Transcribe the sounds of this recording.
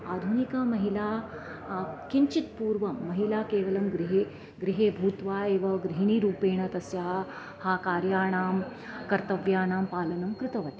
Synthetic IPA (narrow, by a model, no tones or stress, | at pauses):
aːd̪ʱunikaːmɐɦilaː | kiɲt͡ʃit̪puːɾʋɐmːɐɦilaːkeːʋɐlɐmɡɾiɦeː | ɡɾiɦeːbʱuːt̪ʋaːeːʋɐɡɾiɦiɳ̃iɾuːpeːɳɐt̪ɐsjaː | haːkaːɾjaːɳaːm | kɐɾt̪ɐʋjaːɳaːmpaːlɐnɐmkɾɪt̪ɐʋɐt̪i̥